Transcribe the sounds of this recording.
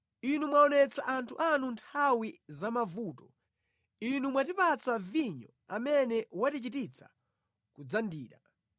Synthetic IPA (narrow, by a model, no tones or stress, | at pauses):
inumwaɔnɛt͡saʔantʰuʔanuntʰawizamavuːtɔ | inumwatipat͡saviɲɔ̰ | amɛnɛwatit͡ʃitit͡sḁ̰ | kud͡zandiːɾa